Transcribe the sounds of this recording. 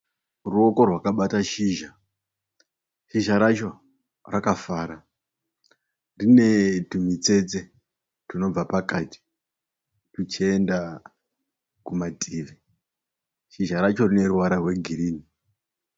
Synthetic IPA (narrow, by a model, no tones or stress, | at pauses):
ruo̞ko̞rwakaɓataʃiːʒa | ʃiʒaɾat͡ʃo̞ | rakafaːɾa | rine̞tumit͡se̞t͡se̞ | tino̞b͡vapakati̥ | tut͡ʃienda | kumatʰʼiːʋe | ʃiʒaɾat͡ʃo̞rine̞ɾuwaɾarwe̞ɡʱiɾiːni